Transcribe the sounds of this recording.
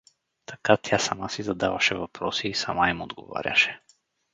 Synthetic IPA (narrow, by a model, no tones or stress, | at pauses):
t̪ʰakat̪ʰʲjasamasizad̪avaʃɛvapɾɔsiːsamaimod̪ɡɔ̰va̰ɾʲa̰ʃɛ̥